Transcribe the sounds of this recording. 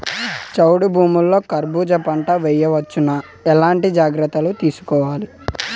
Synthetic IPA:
t͡ʃɐwɽubʱuːmulːo̞ːkɐɾbuːd͡ʒɐpɐɳʈɐʋɛjɐʋɐt͡ʃːinɐ | ɛlaːɳʈid͡ʒaːɡɾɐt̪ːɐlut̪iːsu̥kɔːʋaːli

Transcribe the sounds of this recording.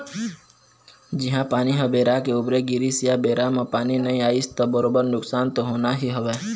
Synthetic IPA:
d͡ʒɪɦãpaːniɦəbeːɾakeʊbɾeɡɪɾisijabeːɾamãpaːninəĩaːist̪obəɾoːbəɾnʊksaːnt̪oɦoːnaɦiɦəʋɛː

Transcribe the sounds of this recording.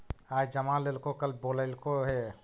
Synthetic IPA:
aːd͡ʒd͡ʒəmaleːlkokəlboːləlkoɦɛ

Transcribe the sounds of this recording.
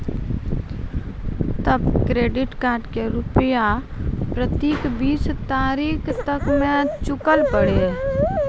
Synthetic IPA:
t̪əbkɾeːɖɪʈkaːɾɖkeɾʊpja | pɾət̪iːkbiːt͡ʃt̪aːɾiːkʰt̪əkmẽt͡ʃʊkəlpəɽe

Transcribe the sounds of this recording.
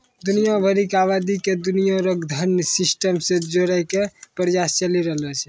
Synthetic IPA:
d̪unijabʱəɾikaβad̪iked̪unijaɾəɡd̪ʱənsisʈəmsed͡ʒoɾəjkepəɾjast͡ʃəliɾəɦlɛt͡ʃʰɛ

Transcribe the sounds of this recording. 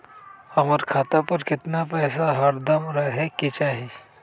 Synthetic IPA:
hɐməɾkʰaːt̪apɐɾkɪt̪napɛːsaɦɐɾd̪ɐmɾɐɦeket͡ʃaːɦi

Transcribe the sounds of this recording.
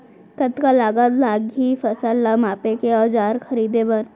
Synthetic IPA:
kət̪kalaːɡalaːɡɦifɐsəlːamaːpekeɔːd͡ʒaːɾxɐɾiːd̪ebən

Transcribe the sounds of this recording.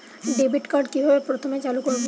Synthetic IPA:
ɖebʱiʈkaɾɖkibʱabepɾot̪ʰomet͡ɕalukoɾbo

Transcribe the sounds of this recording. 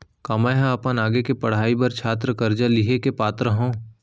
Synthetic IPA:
kɐmaɦãɐpənaːɡekepɐɽ̤aːibɐɾt͡ʃʰaːt̪̬ɾəkɐɾd͡ʒaliɦekepaːt̪ɾəɦõː

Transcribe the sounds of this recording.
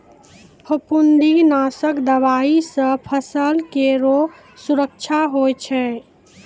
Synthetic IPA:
pʰəpund̪inasəkd̪əʋaisə̃pʰəsəlkeɾo | suɾək̚t͡ʃʰaɦojt͡ʃʰɛ

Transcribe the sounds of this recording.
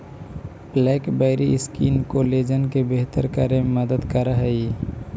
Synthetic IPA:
blɛkbəɪɾiskinkoled͡ʒənkebeɦt̪əɾkəɾeməd̪əd̪kəɾəɦəi

